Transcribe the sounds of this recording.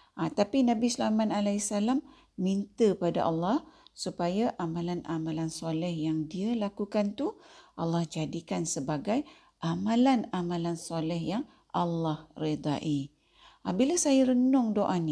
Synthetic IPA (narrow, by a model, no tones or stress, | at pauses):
at̪apinãbislamanalaisalamː | int̪əpada̰ʔɑlːɑhsupajaʔamãlanʔamãlansɔlɛhjaŋdiəlakukant̪uʔɑlːɑhd͡ʒadikansəbaɡaj | ʔamãlanamãlansɔlɛhjaŋ | ʔɑlːɑhrid̪ˤa̰ʔi | abilasajaɾənʊŋdoʔani